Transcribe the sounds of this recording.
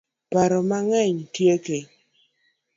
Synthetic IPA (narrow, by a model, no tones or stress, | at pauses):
paɾɔmaŋɛɲtjeke